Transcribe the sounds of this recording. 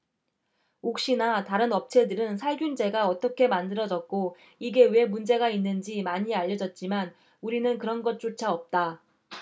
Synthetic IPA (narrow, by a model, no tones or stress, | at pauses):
ok̚ɕ͈inataɾɯnʌp̚t͡ɕʰe̞dɯɾɯnsʰaɭɡjund͡ʑe̞ɡaʌt͈ʌkʰe̞mandɯɾʌd͡ʑʌk̚k͈o | iɡe̞we̞mund͡ʑe̞ɡainːɯnd͡ʑimaɲiaʎːʌd͡ʑʌt̚t͡ɕ͈iman | uɾinɯnkɯɾʌnɡʌt̚t͡ɕ͈ot͡ɕʰaʌp̚t͈a